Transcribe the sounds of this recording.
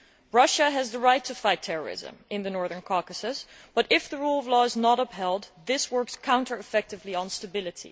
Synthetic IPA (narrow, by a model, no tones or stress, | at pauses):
ɹʌʃɨɨzðəɹaɪtʰɨfaɪtʰɛɹə̰˞ɪ̰zə̰̃mɨ̃nðɨnɔɹðə̃˞nkʰɑɹkɨsɨs | b̥ʌɾɪfðəɹulˠʌvlɔɨznəɾʌphɛlˠd̪ðɪswɜ˞kskʰãʊ̃ntə˞ɨfɛk̚tɨvliə̃nstəbɪlˠɨɾḭ